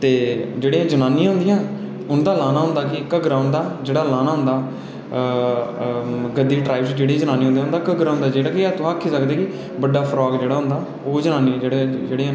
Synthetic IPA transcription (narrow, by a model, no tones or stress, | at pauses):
t̪eːd͡ʒeːɽeːãːd͡ʒənaːniãːɦʊ̃nd̪ɪjãː | ʊnd̪aːlaːnaːɦʊ̃nd̪aːkɪkəɡɾaːʊnd̪aːd͡ʒeːɽaːlaːnaːɦʊ̃nd̪aː | ɡəd̪ːiːʈɾaːɪbsd͡ʒeːɽiːd͡ʒənaːniːʊ̃nd̪eːɦʊnd̪aːkəɡɾaːɦʊnd̪aːd͡ʒeːɽaːkɪɛt̪ːaːkʰːiːsəkd̪eːkɪ | bəɖaːpʰɾɔːɡd͡ʒeːɽaːɦʊ̃nd̪aː | oːd͡ʒənãːniːãːd͡ʒeːɽed͡ʒeːɽeãː